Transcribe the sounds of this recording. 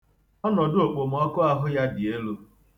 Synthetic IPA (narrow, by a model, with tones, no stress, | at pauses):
ɔ˦nɔ˨do˨k͡po˨m̩˨ɔ˦kʊ˦a˦ɦʊ˦ja˦dɪ˨e˦lo˦